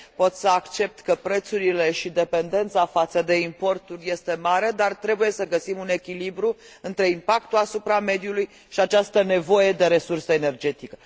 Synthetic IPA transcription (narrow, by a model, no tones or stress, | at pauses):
po̞t̪səakt͡ʃe̞p̚t̪kəpɾe̞t̪suɾile̞ʃid̪e̞pe̞nd̪e̞nt̪safat̪səd̪e̞impo̞rt̪urʲje̞st̪e̞maɾe̞d̪art̪ɾe̞buje̞səɡəsimune̞kʲilibɾu | ɨnt̪ɾe̞impakt̪uasupɾame̞d̪juluj | ʃiat͡ʃast̪əne̞vo̞je̞d̪e̞ɾe̞sursəene̞rd͡ʒe̞t̪ikə